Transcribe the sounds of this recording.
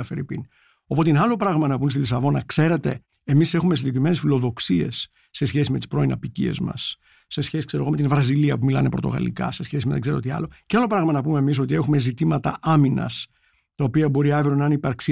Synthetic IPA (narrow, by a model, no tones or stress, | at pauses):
ɐfeɾipḭn | o̞po̞t̪enɐlo̞pɾɐɣmɐnɐpumest̪ilisɐvo̞nɐkse̞ɾe̞t̪e̞̰ː | mise̞xumesiɲɟekɾime̞nesfilo̞ðo̞ksie̞̰sː | e̞sçe̞sime̞t̪i̥spɾo̞inɐpicḭe̞̰zmɐ̰sː | e̞sçesi̥kseɾoome̞t̪invɾɐziliɐpumilɐ̰nepɾo̞t̪o̞̰ɣɐ̰lḭkɐ̰se̞sçe̞sime̞ðeɡzeɾoot̪iɐ̰lo̞cealo̞pɾɐɣmɐnɐpume̞ːmis̬o̞t̪iexume̞zit̪imɐt̪ɐ̰ɐminɐ̰s | t̪ɐopiɐbo̞ɾiɐvɾonɐnipɐɾksi